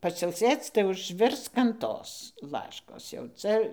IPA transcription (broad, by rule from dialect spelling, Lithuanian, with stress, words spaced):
pɐsʲɪlʲˈsʲeːt͡s tɐɪ ʊʒʲˈʋʲɪrsk ɐn ˈtoːs ˈlˠɑːʃkoːs jɛʊ ˈt͡sʲɛ